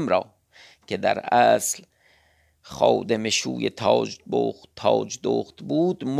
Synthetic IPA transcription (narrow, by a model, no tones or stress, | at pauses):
mɾɒː | cʰed̪æ̰ɾʔæːsl | xɒ̰ːd̪emeʃṵːjet̪ʰɒːbot̪ʰɒːd͡ʒd̪o̰ːxt̪buːd̪m